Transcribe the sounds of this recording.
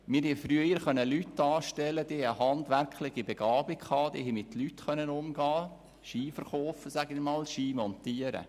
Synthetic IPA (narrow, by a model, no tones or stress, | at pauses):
mɪːɾhɛfɾyəəɾχœnːəlytdɑːʃtɛləd̥eːhɛəhɑndʋæɾkχlɪχibɛɡ̥ɑːbɪkkɑːd̥ḛːhɦɛmɪtlytχœnːənʊmɡɑː | ʃiːfəɾχoːfəsæɡɪmɑːlʃiːmɔntiːəɾə̰